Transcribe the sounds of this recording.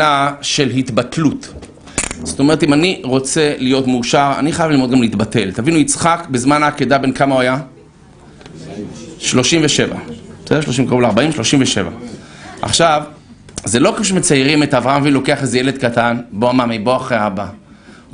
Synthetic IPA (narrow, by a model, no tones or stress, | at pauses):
aʃe̞lɦit̪batlut̪ | z̥ot̪o̞meʁet̪imaniʁo̞t͡se̞lijo̞t̪muːʃaʁa̰niχajavlilmoɡamleit̪bate̞lt̪avinuit͡sχakbezmanaːked̪abe̞nkamauaja | ʃlo̞ʃimveʃeva̰b̥sd̪eʃlo̞ʃ̬imkaʁuleaʁbaimʃloʃimveʃe̞va̰ʔa̰χʃav | zelo̞kefuʃ̬emet͡sajʁimet̪avʁaamavilo̞ke̞aχezejeled̪kat̪anboamamiboaχʁeaba